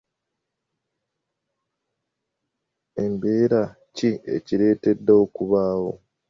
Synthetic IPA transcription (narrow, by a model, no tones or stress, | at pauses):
e̞mbe̞ːɾa | cie̞̰ciɾe̞ːte̞dːaokuβaːwo̞̰